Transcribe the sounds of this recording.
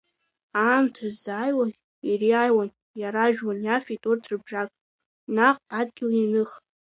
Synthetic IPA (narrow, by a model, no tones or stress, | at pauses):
aːmtʰɨzajwan | iriajwan | jaɾaʒᶣwanjafijtʼurtʰrɨbʐakʼ | naχʷpʼad̚ɡʲɪlinɨχ